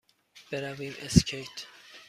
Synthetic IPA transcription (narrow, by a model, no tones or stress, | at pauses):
b̥eɾæviːmescʰejt̪ʰ